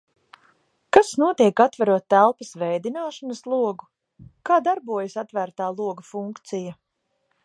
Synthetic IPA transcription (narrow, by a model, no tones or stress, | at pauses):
kasnuɔt̪iɛkat̪væɾuɔt̪ːælˠpɐsvɛjd̪inaːʃɔnɐslˠuɔɡu | kaːd̪aɾbuɔjɐsat̪væɾt̪aːlˠuɔɡɐfuŋkt̪sija